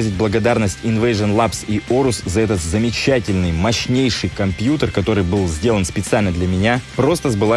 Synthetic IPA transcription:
əzʲɪt̚ʲblˠəɡɐd̪arnəsʲtʲɪnvəjʐənlˠapsioɾʊszɐɛt̪ət̪zəmʲɪt͡ɕætʲɪlʲnɨjmɐɕnʲejʂɨjkɐmpʲjut̪ərkɐt̪o̞ɾɨjbɨlˠzʲdʲe̞lˠənspʲɪt̪sɨalʲnəd̪lʲɐmʲɪnʲapɾo̞st̪əzbɨlˠa

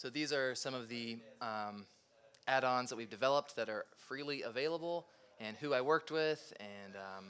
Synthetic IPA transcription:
soʊðizə˞sʌ̃mʌvðĩm | ʔæɾɑ̃nzðət̚wivdɨvɛlˠəp̚t̚ðɨɾə˞fɹilˠiəveɪlˠəbl̩ˠ | ɨ̃nhuaɪwɜ˞k̚t̚wɪðɨ̃n

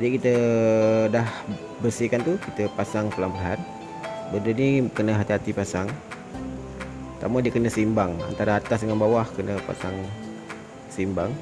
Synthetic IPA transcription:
d͡ʒadikit̪ə | dah | bərsikant̪ukit̪əpasaŋpəlampəlɦan | bəndənikənəɦat̪iɦat̪ipasaŋ | t̪amadiəkənəsəimbaŋa̰nt̪aɾaːt̪asdəŋanbawahkənəpa̰saŋ | səimbaŋ

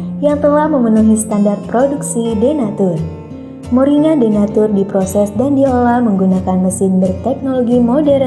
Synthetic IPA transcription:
jaŋt̪əlahməmənuɦist̪andart̪̚pɾoduksidɛnat̪ʊr | moɾinadenat̪ʊrdipɾosɛsdandiolaməŋɡunakanməsɪnbərt̪ɛk̚noloɡimodɛr

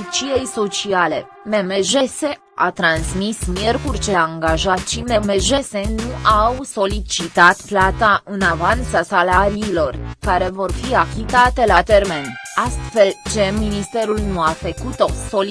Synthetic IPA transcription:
t͡ʃijejso̞t͡ʃiale̞̰ | memeʒe̞se̞ | a̰t̪ɾansmismje̞rkurʲt͡ʃeaŋɡaʒat̪ʃimemeʒe̞se̞nuʔawso̞lit͡ʃit̪at̪plat̪aʔɨnavant̪sasalaɾiːlo̞rkaɾe̞vo̞rfiakʲit̪at̪e̞lat̪e̞rme̞nast̪fe̞lt͡ʃe̞minist̪e̞ɾulnuafəkut̪o̞so̞l

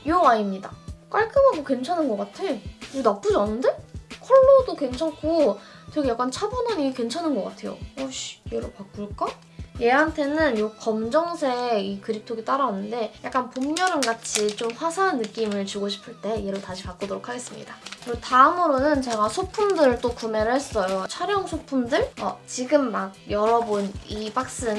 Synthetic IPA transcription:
jowaimɲidak͈aɭk͈ɯmaɡokwe̞nt͡ɕʰanɯnɡʌk͈atʰe̞joonap͈ud͡ʑʌnɯnde̞kʰʌɭːodokwe̞nt͡ɕʰakʰotʰekʰejak͈ant͡ɕʰabonaɲiɡkwe̞nt͡ɕʰanɯnɡʌk͈a̰tʰe̞̰jo̰oɕjeɾopak͈̚uɭk͈ʌ | je̞ɦantʰe̞nɯnjokʌmd͡ʑʌŋsʰe̞ikɯɾip̚tʰoɡit͈aɾanːɯnde̞jak͈anpomɲʌɾɯmɡat͡ɕʰit͡ɕomɸwasʰaɦːnːɯk͈imɯɭt͡ɕuɡoɕʰi̥pʰɯɭt͈e̞je̞ɾotaɕʰipak͈odoɾokʰaɡe̞s͈ɯmɲḭdakɯɾɡotaɯmɯɾonɯnt͡ɕe̞ɡasʰopʰumdɯɭt͈okume̞ɾɯɭhe̞s͈ʌjot͡ɕʰaɾjʌŋsʰopʰumdɯɭʌ̰t͡ɕiɡɯmːaɡ̚jʌɾʌbunipak̚s͈ɯn

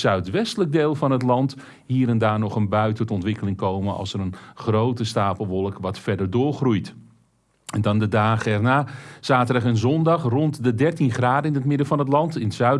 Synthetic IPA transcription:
sœɥtʋɛstələɡ̚deːlˠfɑnətlɑnt | hiːɾɛndaːrnɔχənbœɥtətɔntʋɪkəlɪŋkowmənɑ̰lˠsəɾənχrowtəstaːpəl̩ˠʋɔlˠəkʋɑtfɛdərdʊːɹχrujt | ɛndɔndədaːχəɛrnaːz̥aːtədɑχənzɔndɑχrɔntdədɛrtinχraːdəɪnətmɪdəvɑnɦətlɑntɪntsœɥ

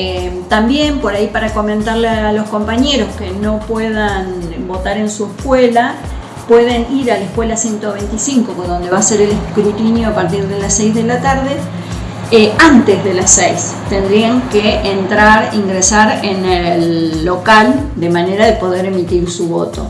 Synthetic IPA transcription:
et̪ambje̞mpo̞ɾaipaɾako̞mẽnt̪aɾlealo̞sko̞mpaɲeɾo̞skeno̞pweð̞anbo̞t̪aɾe̞nsuehkwela | pwe̞ðe̞niɾalehkwe̞lasje̞nt̪oβejnt̪isiŋkokðo̞nd̪e̞βaseɾelehkɾut̪injoapaɾt̪iɾðelasejzðe̞lat̪aɾðe̞ | eant̪ezðe̞lasejs | t̪end̪ɾiaŋkeʔːnt̪ɾaɾḭŋɡɾesaɾenelːo̞kal | d̪e̞maneɾaðe̞po̞ðe̞ɾe̞mit̪iɾsuβo̞̰t̪o̞̰

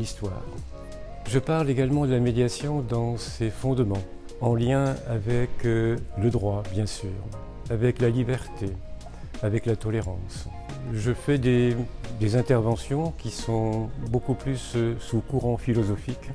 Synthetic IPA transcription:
list̪wa̰ːʁ | ʒəpaʁleɡalmɑ̃d̪əlamed̪jasjɔ̃d̪ɑ̃sefɔ̃d̪mɑ̃ | ɑ̃ljɛ̃avɛkləd̪ʁwabjɛ̃syːʁ | avɛklalibɛʁt̪e | avɛklat̪ɔleʁɑ̃s | ʒəfɛd̪ed̪ezɛ̃t̪ɛʁvɑ̃sjɔ̃kʲisɔ̃bokuplysːukuʁɑ̃filɔzɔfik

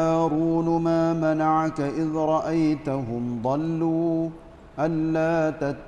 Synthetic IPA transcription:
aːɾuːnʊmaːmanaʕkaʔɪðɾˤɑʔajt̪aɦʊmd̪ˤɑlːuː | ʔanːaːt̪at̪ː

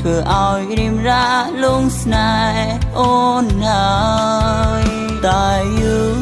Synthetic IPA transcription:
t̪ʰʋəəʔaɔjriəmraːluəŋsnaː | ʔonhaəj | t̪aːɨːŋ

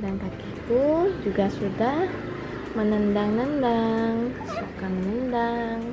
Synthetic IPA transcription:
daŋkakit̪ud͡ʒuɡasudah | mənəndaŋnəndaŋ | sokamənəndaŋ

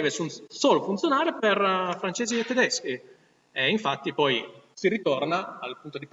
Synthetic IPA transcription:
ɛːvesunsoːlofunt̪jonaːɾeperfɾant͡ʃeːziet̪ːed̪ɛsk̟i | eiɱfat̪ːipɔjsirit̪ornaːlpunt̪od̪ip

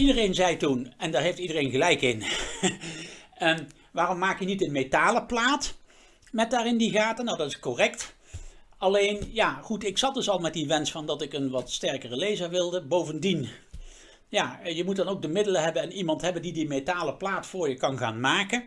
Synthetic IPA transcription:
idərejnzɛjtunɛndaːɹɦejftidərejnχəlɛjkɪn | ʋaːrɔmːaːkjənitənmejtaːləplaːt | mɛt̚daːɹɪndiɣaːtənːawdɑtɪskorɛkt | ɑlejnjaːχutɪksɑt̚dɵsɑlˠmɛt̚diʋɛnsfɑndɑtɪkənʋɑtstɛɹkərəlejzəɹʋɪlˠdəbowvəndin | jaːjəmut̚dɑnowk̚dəmɪdələɦɛbənɛnimɑntɦɛbəndidimetaːləplaːtfʊːɹjəkɑnχaːnmaːkən

